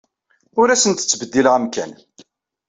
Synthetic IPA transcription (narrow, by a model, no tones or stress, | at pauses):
ʊɾæsənt̪ə̥t͡sːbəd̪ːilʁæmkæ̰n